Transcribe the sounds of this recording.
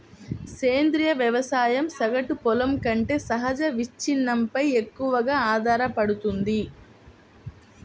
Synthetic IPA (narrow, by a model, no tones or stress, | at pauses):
seːnd̪ɾijɐʋjɐʋɐsaːjɐmsɐɡɐʈupɔlɐmkɐɳʈe̞ːsɐɦɐd͡ʒɐʋit͡ʃːinːɐmpɐjekːuʋɐɡaːaːd̪ʱaːɾɐpɐɽut̪und̪i